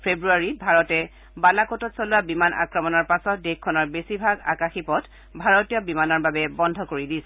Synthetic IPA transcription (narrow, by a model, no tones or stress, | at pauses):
pʰebɹuaɹibʱaɹɔtɛ | balakɔtɔtsɔlʊwabimanʔa̰kɹɔmɔnɔɹpasɔt̚dekkʰːɔnɔɹbesibʱaɡa̰kaxipɔt | bʱaɹɔtijɔbimanɔɹbabɛbɔndʱɔkoɹidisɛ